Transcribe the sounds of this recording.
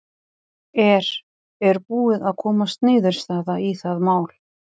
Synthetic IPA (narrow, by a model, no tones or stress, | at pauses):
ɛɾ̥ | ɛɾpuːɪðaðkʰɔːmast̪nɪːðʏɾ̥st̪aːðaiθaðmaːwl̥